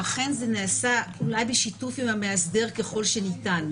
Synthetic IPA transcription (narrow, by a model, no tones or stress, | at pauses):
aχe̞nzeneːsaulajbeʃitufimhameasde̞ʁkeχo̞lʃenitan